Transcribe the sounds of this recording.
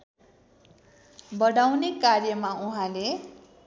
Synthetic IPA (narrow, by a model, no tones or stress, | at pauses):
bʌɽawnekarjʌmauɦãle